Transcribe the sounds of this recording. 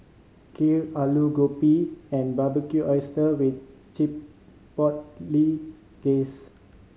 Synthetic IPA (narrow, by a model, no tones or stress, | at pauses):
kʰilaluɡopiɛ̃nbabəkjuʔɔjstəwit̪̚ | t͡ʃipː | ɔt̚li | ɡ̥es